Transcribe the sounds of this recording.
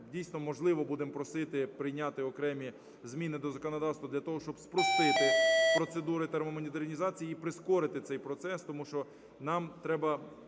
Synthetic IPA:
dʲijsʲnɔmɔʒlˠɪʋɔbud̪empɾɔsɪt̪ɪpɾɪjnʲɑt̪ɪɔkɾɛmʲi | zmʲinɪd̪ɔzɐkɔnɔd̪ɑwst̪ʋɐd̪lʲɐt̪ɔɦɔʃt͡ʃɔbspɾɔst̪ɪt̪ɪpɾɔt̪sed̪uɾɪt̪eɾmɔmɔnʲid̪eɾnʲizɑt͡sʲijiipɾɪskɔɾɪt̪ɪt̪sɛjpɾɔt̪sɛst̪ɔmuʃt͡ʃɔ | nɑmt̪ɾɛbɐ

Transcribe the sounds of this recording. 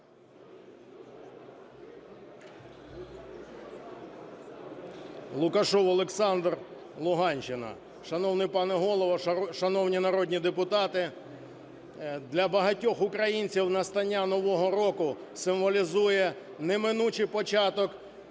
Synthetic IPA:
lˠʊkɐʃɔwɔlˠeksɑnd̪r | lˠʊɦɑnʲt͡ʃɪnɐ̰ | ʃɐnɔwnɪjpɑnɛɦɔlˠɔʋɐʃɐnɔwnʲinɐɾɔd̪ʲnʲid̪epʊt̪ɑt̪ɪ | d̪lʲɐbɐɦɐtʲɔxʊkɾɐjinʲt͡sʲiwnɐst̪ɐnʲːanɔʋɔɦɔɾɔkʊsɪmʋɔlʲizujɛ | nɛmɪnut͡ʃɪjpɔt͡ʃɑt̪ɔk

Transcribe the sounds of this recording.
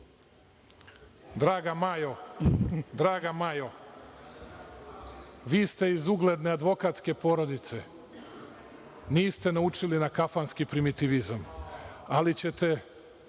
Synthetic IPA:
d̪ɾaːɡamajo | d̪ɾaːɡamajo̞ | ʋiːst̪e̞izuɡle̞d̪nead̪ʋo̞kat̪ske̞po̞ːɾo̞d̪it̪se | niːst̪e̞naut͡ʃilinakafanskipɾimit̪iʋizamalit͡ɕe̞t̪e̞

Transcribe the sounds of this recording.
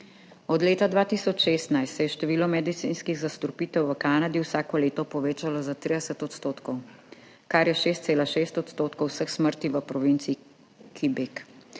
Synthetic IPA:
ɔd̪leːt̪ad̪ʋaːt̪isɔt͡ʃʃeːst̪najst̪sɛjɛʃt̪ɛʋiːlɔmɛd̪it̪sḭnskiɣzast̪ɔɾpiːt̪ɛwʋəkaːnad̪iwsaːkɔleːt̪ɔpɔʋeːt͡ʃalɔzat̪ɾid̪ɛsət̪ɔt̪st̪oːt̪kɔw | kaɾjɛʃeːst̪seːlaʃeːst̪ɔt̪st̪oːt̪kɔwsəxsməɾt̪iʋəpɾɔʋint̪sii | kʰibek

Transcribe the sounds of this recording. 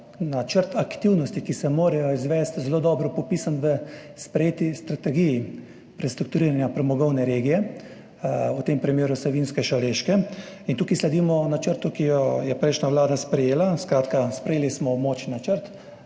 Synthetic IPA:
nat͡ʃəɾt̪akt̪iwnɔst̪ikisɛmoːɾɛjɔizʋɛst̪zɛloːd̪ɔːbɾɔpɔpiːsanʋə | spɾɛjeːt̪ist̪ɾat̪ɛɡiji | pɾɛst̪ɾukt̪uɾiːɾanjapɾɛmɔɡɔwnɛɾeːɡijɛ | ut̪empɾimjeːɾusɛʋinskɛʃaleʃkɛ | int̪uːkislɛd̪iːmɔnat͡ʃəɾt̪ukijɔjɛpɾɛjʃnaʋlaːd̪aspɾɛjeːlaskɾaːt̪kaspɾɛjeːlismɔmot͡ʃnat͡ʃəɾt̪

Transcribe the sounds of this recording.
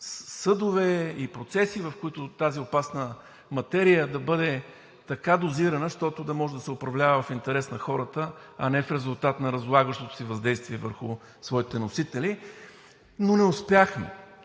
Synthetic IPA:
sɤd̪ʊvɛipɾot̪sɛsivɐfkʊit̪ʊt̪aziopasnə | mɐt̪ɛɾijəd̪ɐbɤd̪ɛ | t̪ɐkad̪oziɾɐnəʃt̪ɔt̪ʊd̪ɐmɔʒɛd̪ɐsɛʊpɾɐvlʲavəvɐfint̪ɛɾɛsnɐxɔɾət̪əɐnɛfɾɛzʊlˠt̪at̪nɐɾɐzlˠaɡəʃt̪ot̪ʊ̥sivɐzd̪ɛjst̪viɛvəɾxʊ | svɔit̪ɛnosit̪ɛli | nonɛʊspjaxmḭ

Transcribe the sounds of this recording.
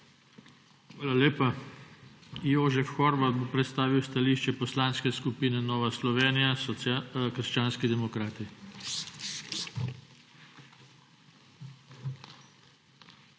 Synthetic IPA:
xʋaːlaleːpa | joːʒɛfxɔɾʋat̪̚bopɾɛt̪st̪aːʋiwst̪aliːʃt͡ʃɛpɔslaːnskɛskupiːnɛnɔːʋaslɔʋeːnijasɔkəɾ̩ʃt͡ʃaːnskid̪ɛmɔkɾaːt̪i

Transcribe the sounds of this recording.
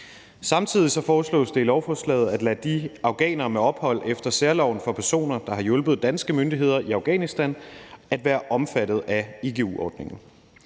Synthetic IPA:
sɑ̈mt͡sʰið̞̰ˠisɒ̽fɒːslɔ̰̽ːsd̥e̝ilɒʊfɒslɛ̰ːð̩ˠæd̥læd̥iʔɑ̈ʊɡ̥ɛ̰ːnɐmeɒ̽b̥hɒ̽l̰efd̥ɐseɐlɒʊ̰n̩fɒ̽pʰæɐso̝̰ːnɐd̥ɑ̈ɦɑ̈jɔ̽lb̥ð̞ˠd̥ænsɡ̥əmønd̥iɦe̝ð̞̰ˠɐʔiɑ̈ʊɡ̥ɛ̰ːnisd̥ænæd̥ʋæːɐʔɒ̽mfæɾ̥ð̩ˠæe̝ɡ̥eṵɒ̰ːd̥ne̝ŋn̩

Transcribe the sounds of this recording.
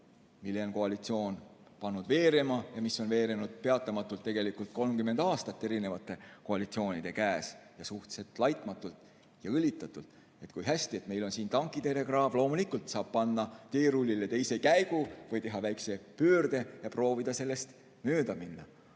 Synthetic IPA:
milːe̞onko̞ɑlit̪sio̞ːn | pɑnːud̪ve̞ːɾemɑjɑmisːo̞nve̞ːɾenud̪̥̚pe̞ɑt̪ːˑɑmɑt̪ːˑult̪ːe̞ɡ̥e̞likult̪̚ko̞lmkymːe̞nd̪ɑːst̪ɑt̪ːe̞ɾine̞vɑt̪ːˑe̞ko̞ɑlit̪sio̞ːnid̪̥e̞kæːsjɑsuht̪se̞lt̪ˑlɑjt̪ˑmɑt̪ːˑult̪ˑ | jɑɤlʲːit̪ːˑɑt̪ːˑult̪ˑ | e̞t̪kujɦæsʲt̪ie̞t̪me̞jlo̞nsiːnt̪ɑŋkˑit̪eɾe̞ɡrɑːvlo̞ːmulikˑult̪sɑːb̥̚pɑnːɑt̪e̞ːɾulʲːile̞t̪e̞jse̞kæjɡ̥uvɯjt̪e̞ɦɑvæjkse̞pøːrd̪̥e̞jɑpro̞ːvid̪̥ɑse̞lːe̞st̪ | møːd̪̥ɑminːɑ

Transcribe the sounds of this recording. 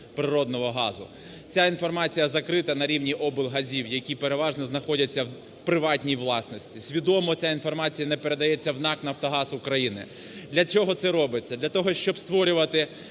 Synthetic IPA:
pɾɪɾɔd̪nɔɦɔɦɑzʊ̰ | t͡sʲainfɔrmɑt͡sʲijɐzɐkɾɪt̪ɐnɐɾʲiwnʲiʔɔbɪlˠɦɐzʲiwjɐkʲipeɾe̞ʋɑʒnɔznɐxɔdʲɐt͡sʲːɐ | wpɾɪʋɑtʲnʲijʋlˠɑsnɔsʲtʲisʲʋʲid̪ɔmɔt͡sʲainfɔrmɑt͡sʲijɐnɛpeɾe̞d̪ɐjɛt͡sʲːɐwnɑknɐft̪ɔɦɑsʊkɾɐjinɪ̰ | d̪lʲɐt͡ʃɔɦɔt̪sɛɾɔbɪt͡sʲːɐd̪lʲɐt̪ɔɦɔʃt͡ʃɔbst̪ʋɔɾʲʊʋɐt̪ɪ

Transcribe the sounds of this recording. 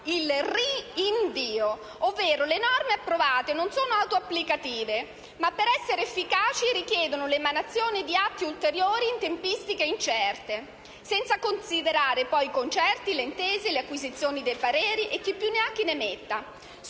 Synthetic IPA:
ilriiɱviːo | ovːeːɾolenɔrmeapːɾovaːt̪enonsoːnoawt̪oapːlikat̪iːve | mapːeɾɛsːeɾeːfːikaːt͡ʃiɾikjɛːd̪onolemanat̪sːjoːnid̪iat̪ːiult̪eɾjoːɾiːnt̪empist̪ikeint͡ʃɛrt̪e | sɛnt̪sakonsid̪eɾaːɾepɔjkont͡ʃɛrt̪ileint̪eːzeleakːwizit̪sjoːnid̪ejpaɾɛːɾiʔekːipːjunːeaŋk̟inemet̪ːa

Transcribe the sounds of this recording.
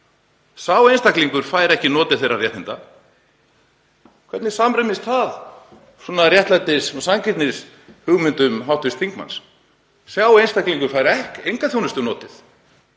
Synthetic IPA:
sjawenst̪akliŋkʏɾ̥faːjɾɛhcɪnɔːt̪ɪð̥θejrːarjɛht̪ɪnt̪a | kʰvɛt̪nɪ̥samrɛmɪst̪θað | sɔnarjɛht̪lajt̪ɪsɔsaŋcɪt̪nɪs | hʏɣmʏnt̪ʏmɦawht̪ʏst̪θiŋkma̰ns | sjawejnst̪akliŋkʏɾ̥fajɾɛhkejŋkaθjownʏst̪ʏnɔːt̪ɪθ

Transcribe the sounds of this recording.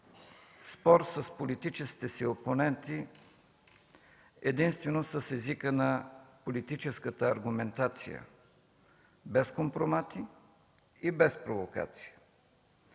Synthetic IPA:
spɔɾsəspolit̪it͡ʃɛski̥t̪ɛsioponɛnt̪i | ɛd̪inst̪vɛnosəsɛzikənɐpolit̪it͡ʃɛskət̪əɐɾɡʊmɛnt̪at̪sḭjə̰ | bɛskompɾomat̪i | ibɛspɾovoka̰t̪si̥jə

